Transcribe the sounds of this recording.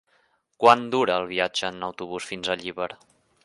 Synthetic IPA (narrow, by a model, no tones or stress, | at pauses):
kwand̪uɾəːlˠβ̞iad͡ʒəːnəwt̪uβusfinzəʎiβəɾ